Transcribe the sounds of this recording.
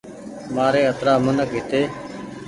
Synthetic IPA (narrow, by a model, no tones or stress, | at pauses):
maːɾeːət̪ɾaːmənəkɦɪt̪eː